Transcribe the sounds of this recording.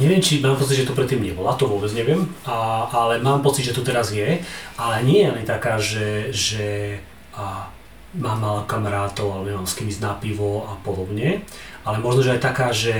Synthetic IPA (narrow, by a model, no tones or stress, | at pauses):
ɲɛʋɪɛmt͡ʃimaːmpɔt͡sidʒɛt̪ɔpɾɛt̪ːiːmɲɛbɔlat̪ɔʋʊɔbɛd͡zɲɛʋɪɛm | alɛmaːmpɔt͡sid̪ʒɛt̪ut̪ɛɾazjɛʔalɛɲɪɛjɛlɛɲt̪akaːʒɛʒɛ | maːmːalɛkamaɾaːt̪ɔʊaɲɛmaːmskimiznaːpiʋɔapɔd̪ɔbɲɛalɛmɔʒnɔʒɛajt̪akaːʒɛ